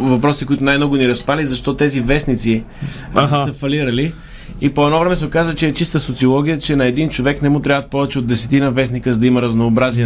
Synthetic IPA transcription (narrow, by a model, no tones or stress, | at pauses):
vɐpɾɔsikoit̪ʊnajmnɔɡʊniɾɐspalizɐʃt̪ɔt̪ɛzivɛsnit̪si | ɦsəfɐliɾəli | ipoɛnɔvɾɛmɛsɛokazvət͡ʃɛːt͡ʃist̪əsot̪siolˠɔɡʲijət͡ʃɛnɐɛd̪int͡ʃovɛknɛmut̪ɾʲavət̪̚pɔvɛt͡ʃɛod̪ːɛsɛt̪inəvɛs̬nikəzd̪ɐiməɾɐznoːbɾaziɛ